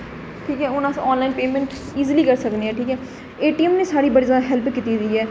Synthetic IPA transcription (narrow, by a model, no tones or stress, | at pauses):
ʈʰiːkɦɛːʊnãːsɔːnlaːinpeːmɛ̃ːɳʈ | iːzliːkəɾsəkneːɛːʈʰiːkɦɛː | eːʈiːɛmnẽːsaːɽiːbəɽizəaɦɛlpkiːt̪iːd̪iːɛː